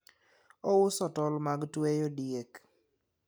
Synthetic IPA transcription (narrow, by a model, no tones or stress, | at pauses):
ɔwʊsɔtɔlmaɡtwejodiek